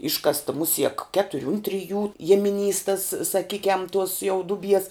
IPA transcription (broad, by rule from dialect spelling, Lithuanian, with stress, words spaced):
ˈɪʃkɐstɐ ˈmʊsʲiɛk ˈkʲæːtʊrʲɪ ʊn ˈtʲrʲɪˌjuː ˈjiɛmʲɪˌnʲiːs tɐs sɐˈkʲiːkʲɛm tuɔs jɛʊ ˈdʊˌbʲiɛs